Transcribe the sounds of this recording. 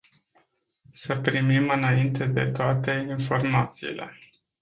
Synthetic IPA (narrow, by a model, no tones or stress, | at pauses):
səpɾimimɨnaint̪e̞d̪e̞t̪oat̪e̞info̞rmat̪siːle̞̰